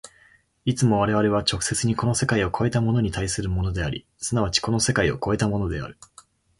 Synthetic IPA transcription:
it͡sɨmo̞β̞aɾe̞β̞aɾe̞β̞at͡ɕo̞kɯ̟̥se̞t͡sɨɲ̟iko̞no̞se̞kaio̞kʰo̞e̞t̪amo̞no̞ɲ̟it̪aisɨɾɯ̟mo̞no̞d̪e̞aɾʲḭ | sɨnaβ̞at͡ɕi̥ko̞no̞se̞kaio̞̰ko̞e̞t̪amo̞no̞d̪e̞a̰ɾɯ̟

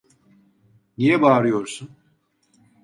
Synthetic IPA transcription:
nijɛbaːɾɯjo̞ɾsun

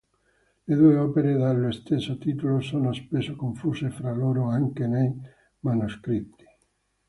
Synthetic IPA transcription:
leðueopeɾeðalːoest̪ensot̪it̪ulosonaspesokõɱfusefɾaloɾoaŋkenej | manuskɾit̪i̥

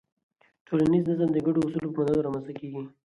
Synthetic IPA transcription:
ʈʰolanizd̪azamd̪əɡaɖoʊsulopəmad̪ad̪oɾamansakeɡi

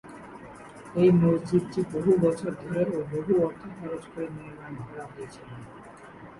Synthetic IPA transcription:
ejmod͡ʑid̪̚ʈiboɦubɔt͡ɕʰoɾd̪ʱoɾeoboɦuɔɾt̪ʰːokʰɔɾot͡ɕkoɾenieɾanɡʱɔɽaɦojet͡ɕʰilen

